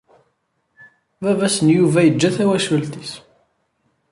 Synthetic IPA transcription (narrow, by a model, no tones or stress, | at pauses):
vævæsənjuvæjəd͡ʒːæθæwæʃəlt̪is